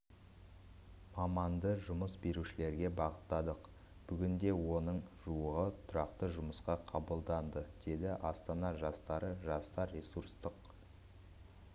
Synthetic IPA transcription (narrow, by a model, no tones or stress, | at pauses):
mɑmɑnd̪əʒʊməsbe̞ɾuʃɪle̞ɾɡʲe̞bɑʁət̪ːɑd̪əq | b̥ʏɡʲɪnd̪e̞wo̞nəɴʒ̥uəʁət̪ʰʊɾɑqt̪əʒʊməsqɑqʰɑbəlˠd̪ɑnd̪əd̪̥e̞d̪ɪʔɑst̪ɑnɑʒɑst̪ɑɾəʒɑst̪ɑɾːe̞suɾst̪əq